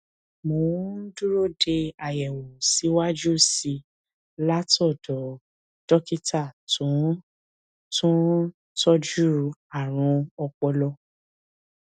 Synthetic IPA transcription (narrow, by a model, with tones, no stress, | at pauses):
mõ˨˦n̩˦du˦ɾo˦˨de˧a˨jɛ˨wo˨si˨˦wa˦d͡ʒu˦˨si˧ | la˦tɔ˦˨dɔ˨˦ | d̥ɔ˦ki˦ta˦˨tʰũ˨˦ | tũ˦ | tɔ˦d͡ʒu˦ɾa˨ɾ̃ũ˧ɔ˧k͡pɔ˧lɔ˧˦